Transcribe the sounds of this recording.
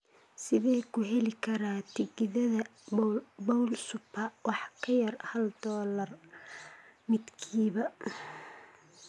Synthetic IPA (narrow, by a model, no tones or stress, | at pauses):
sɪðɛːkʰʊɦɛlɪkʰɐɾaːt̪ʰɪɡɪðɐðɐ | bɔwlsʊpʰɐwʔɑħkʰɐjɐrhɐld̪ɔːlɐr | mɪd̪kʰiːβɐ